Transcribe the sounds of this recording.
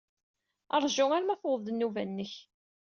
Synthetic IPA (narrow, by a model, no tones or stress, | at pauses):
ɑɾˤʒʊæɾmæθʊðˤd̪ənːuvænːəç